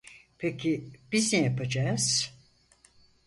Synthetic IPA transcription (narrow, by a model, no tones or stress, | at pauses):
pʰecʰib̥iznɛjapad͡ʒaːz̥